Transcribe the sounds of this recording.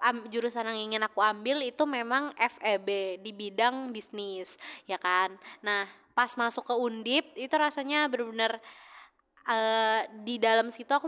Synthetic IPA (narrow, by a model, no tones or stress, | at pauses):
ad͡ʒuɾusanaŋiŋɪnakuambɪlit̪umemaŋʔɛfɛbedibidaŋbisnɪsjakanːah | pasmasʊkːəundɪp̚it̪uɾasaɲabəɾbənər | ʔədidaləmsit̪uaku